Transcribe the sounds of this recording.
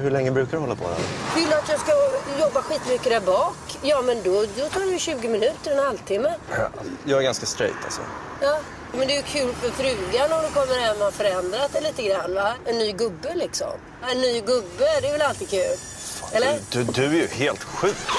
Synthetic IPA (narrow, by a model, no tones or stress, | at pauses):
hɵɭɛŋːəbɾʉ̟ːkadɵhɔlːapʰɔ̰ɛ̰vɪlːat̪jɑːskajɔbːaɧiːt̪mʏkːəd̪æɾbɑːkjɑːmɛnd̪ɔd̪ɔt̪ʰɑːɾɛjəɕʉ̟ːɡɪmɪnʉ̟ːt̪əɾɛnhalt̪ʰɪmːəjɑːɡɛɾɡanskast̪ɾɛ̰jt̪ʰa̰lsɔ̰ | jɑː | mɛnd̪ɛjɵkʰʉ̟ːlfœɾfɾʉ̟ːɡanɔmd̪ɛkʰɔmːəɾhɛmːaafœɾɛnd̪ɾat̪d̪ɛliːt̪əɡɾanːvaɛnːyːɡɵbːəlɪksɔ̰m | ɛnːyːɡɵbːəd̪ɛvɛlalt̪ɪid̪̚kʰʉ̟ːl | ɛlːəɾd̪d̪ɵæɾjɵheːlt̪ɧʉ̟ːk